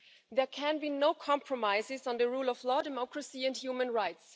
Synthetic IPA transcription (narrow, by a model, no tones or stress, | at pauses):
ðɛ˞kʰæ̃nbinoʊkʰɑ̃mpʰɹɔmaɪzɪz̃n̩ðəɹuːlˠɔvlɔːdɛmɔkɹəsiæ̃ndhjumə̃nɹaɪts